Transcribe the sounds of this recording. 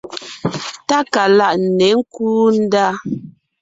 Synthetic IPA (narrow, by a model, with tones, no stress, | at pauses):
ta˦ka˨la˦ʔn̩˨nɛ˨˦ŋ̩˦kuː˦n̩˦da˦˨